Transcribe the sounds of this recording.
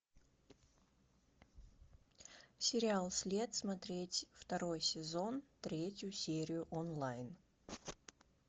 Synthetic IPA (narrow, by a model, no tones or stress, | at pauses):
sʲɪɾʲɪalˠsʲlʲe̞t̪smɐt̪ɾʲetʲft̪ɐɾo̞jsʲɪzo̞nt̪ɾʲetʲjʊsʲeɾʲɪjʊʔɔnlˠajn